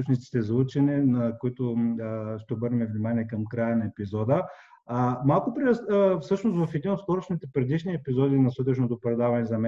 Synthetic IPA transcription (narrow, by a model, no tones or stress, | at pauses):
ut͡ʃnit̪si̥t̪ɛzut͡ʃɛnɛnɐkʊit̪ʊ | ʃt̪ɛobɤɾnɛmɛvnimaniɛkɐmkɾajənɐɛpizɔd̪ə | malˠkʊpɾfsɤʃnost̪vɐfɛd̪inot̪sk̪ɔɾot͡ʃnit̪ɛpɾɛd̪iʃniɛpizɔd̪inɐsɤt̪ɛt͡ʃnot̪opɾɛd̪avɐnɛzɐmɛ